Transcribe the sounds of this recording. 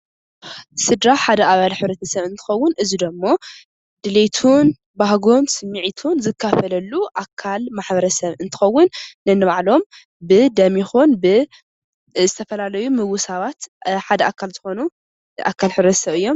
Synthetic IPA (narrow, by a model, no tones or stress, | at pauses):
sɨd̪ɾaħad̪ɐʔaβalħɨβɾɐt̪ʰɐsɐβɨnt̪ʰɨ̥xɐwːʊnʔɨzid̪ɐmːo̞ | d̪̥ɨlet̪ʰun | bahɡonsɨmːiʕit̪ʰunzɨkʰːafɐlɐlːuʔakʰːalmaħbɐɾɐsɐβɨnt̪ʰɨ̥xɐwːʊnːɨnːɨβaʕlo̞m | bɨd̪ɐmixunbɨ | zɨt̪ʰɐfɐlalɐjumɨwʊsaβat̪ħad̪ɐʔakʰalzɨxo̞nu | ʔa̰kʰːalħɨβɾɐt̪ʰɐsɐβɨjːo̞m